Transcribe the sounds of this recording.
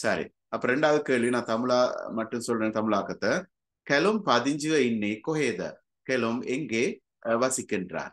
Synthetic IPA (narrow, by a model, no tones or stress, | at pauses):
sɐɾḭ | ɐpːoːɾɛɳɖaːʋɐðɯkeːɭʋinãːt̪ɐmɪlaːmɐʈːɯnsɔlreːnt̪ɐmɪɭaːkɐt̪ːɐ | kɛlɯmpɐðɪɲd͡ʒɯʋɐɪnːikɔɦeːðɐ̰ | kɛlɯmɛŋɡeː | ʋɐsɪkːɪndra̰ːɾ